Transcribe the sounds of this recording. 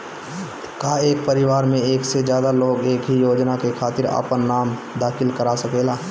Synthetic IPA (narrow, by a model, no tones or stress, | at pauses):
kaːeːk̚pəɾɪʋaːɾmẽeːksed͡ʒjaːd̪aloːɡeːkɦijoːd͡ʒnakekʰaːt̪ɪɾa̰ːpənːaːm | d̪aːxʰɪlkəɾasɐkeːlaː